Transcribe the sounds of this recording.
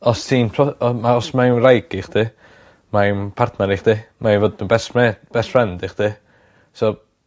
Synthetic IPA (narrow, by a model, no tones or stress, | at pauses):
ɔstʰiːnpʰɔɔmaɔsmajmrajɡɪχd̥ʰi | majmpʰartʰnaɾiχd̥imaivoːdnubɛsmɛb̥ɛsfrɛndɪχd̥ʰi | so